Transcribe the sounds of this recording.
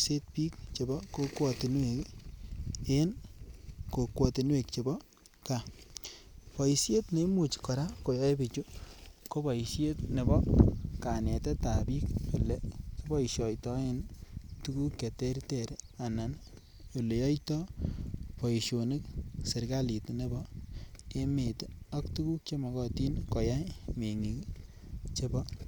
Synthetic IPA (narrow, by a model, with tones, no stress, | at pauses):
se˦t̚piː˦k̚t͡ʃe˨bɔ˦ko˦kwɔ˨tɪ˨nwek | e˦n | ko˨kwɔ˨ti˨nwe˨k̚t͡ʃe˨bɔ˦ | ka˨ | pɔ˨isje˦tne˨˦mu˨t͡ʃkɔ˨ɾa˦ko˨ja˦e˦bi˨t͡ʃu˦ko˦bɔ˨i˨sje˦t̚ne˨bɔ˦ka˨nɛ˨tɛ˦ta˨bi˦kku˨lɛ˨ki˦bɔ˦iʃɔ˨jtɔ˦e˦ntu˦ku˦kːe˨te˦ɾte˨ɾa˨na˨n | o˨le˨jɔ˦jtɔ˦ | pɔ˨i˨ʃo˨ni˦kse˨ɾɡa˦li˨tne˦bɔ˦ | e˦me˨tɔ˦ktu˦ku˦k̚t͡ʃe˦ma˨kɔ˨ti˦nko˨ja˦jme˨ŋi˨k | t͡ʃe˦bɔ˦